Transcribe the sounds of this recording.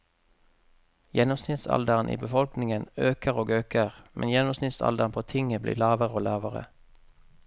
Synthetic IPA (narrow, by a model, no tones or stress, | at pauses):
jɛnʊmsnɪt̪sɑ̰ld̪əʁənʔḭːbəfɔlknɪŋənøːkəʁoːɡøːkəʁmʔɛ̰njɛnʊmsnɪt̪sɑ̰ld̪əʁnpʰoːt̪ʰɪŋəblḭːlɑːʋəʁəoːlɑːʋəʁə̰